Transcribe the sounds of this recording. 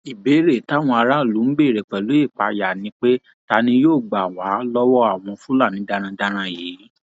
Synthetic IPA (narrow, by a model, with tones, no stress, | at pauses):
i˨be˨˦ɾe˦˨ta˨˦˨w̃ɔ̃˧a˧ɾa˦˨lu˨˦n̩˦ɡ͡be˦˨ɾe˨k͡pɛ˨lo˨˦e˦˨k͡pa̰˧ja˨nĩ˨˧˦k͡pe˦ | ta˧nĩ˧joː˦˨ɡ͡ba˨wa˨˦lɔ˦wɔ˦a˦˨w̃ɔ̃˧fũ˦la˦˨nĩ˨˦da˦ɾ̃ã˧da˦ɾ̃ã˦˨je˨˦